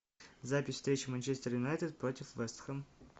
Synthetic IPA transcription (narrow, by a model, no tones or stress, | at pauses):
zapʲɪsʲfst̪ɾʲet͡ɕɪmɐnʲt͡ɕest̪əɾjʊnajt̪ʲət̪̚pɾotʲɪfvɛst̪xəm